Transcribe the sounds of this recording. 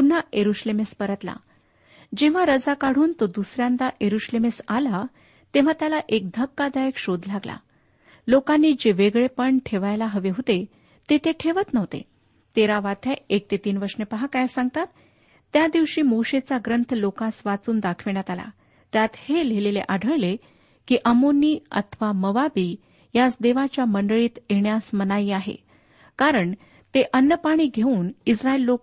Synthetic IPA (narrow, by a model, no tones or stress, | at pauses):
pun̤ːajeɾuɕlemespəɾət̪la̰ | d͡ʑeʋ̤aɾəd͡zakaɽ̤uːnt̪od̪usɾjãnd̪aʔjeɾuɕlemesala | t̪ẽʋ̤at̪jalaʔek̚d̪ʱəkːad̪ajəkɕod̪laɡla̰ | lokanːiːd͡ʑeʋeɡɭepəɳʈʰeʋajlaɦəʋeɦot̪e | t̪et̪eʈʰeʋət̪nəʋt̪ḛ | t̪eɾaʋat̪ʰaek̚t̪et̪iːnʋəɾʂnepəɦakajsãŋɡt̪at̪ː | jad̪iʋɕiːmoɕet͡saɡɾənt̪ʰəlokasʋat͡suːnd̪akʰʋeɳjat̪ala̰ | t̪jat̪heleleleʔaɖʱəɭle | kiːʔəmonːiːə̰t̪ʰəʋaməʋabiː | jat͡sd̪eʋat͡ɕjaməɳɖəɭiːt̪jeɳjasmənaiːaɦḛ | kaɾəɳ | t̪eʔənːəpaɽ̃iːɡʱeuːnisɾailːok